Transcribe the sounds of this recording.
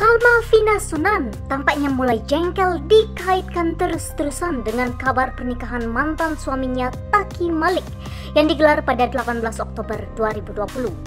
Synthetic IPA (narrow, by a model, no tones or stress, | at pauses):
kalmafinasunant̪ampaʔ̚ɲamulajd͡ʒɛŋkɛldikaɪt̪̚kant̪əɾsə̥t̪əɾusandəŋankabarpərnikaɦanmant̪ansuamiɲat̪akimalɪk̚ | jaŋdiɡəlarpadadəlapanbəlasɔk̚t̪obərduaɾibuduapuluh